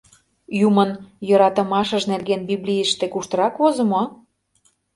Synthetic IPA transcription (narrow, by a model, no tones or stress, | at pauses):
jumənjɤ̆ɾɑt̪ə̆mɑʃə̆ʃnerɣenbiβlʲijə̆ʃt̪ekuʃt̪ɤ̆ɾɑkvozə̆mo